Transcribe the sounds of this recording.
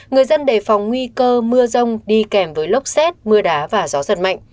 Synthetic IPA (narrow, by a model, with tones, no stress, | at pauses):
ŋɨ˨˩əjzə˧nɗe˧˩fa˨˩wŋ͡mŋwi˧kəː˧mɨ˧əzə˧wŋ͡mɗi˧kɛ˧˩mvəː˨˦jlʊ˦˥k͡p̚sɛ˦˥t̚mɨ˧əɗaː˨˦vaː˨˩zɔ˨˦zə̰˨˩t̚ma̰˧˨jŋ̟